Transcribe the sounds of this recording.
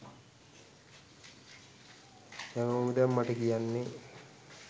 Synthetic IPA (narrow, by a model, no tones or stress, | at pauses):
jaŋomidamːaʈəkijanːe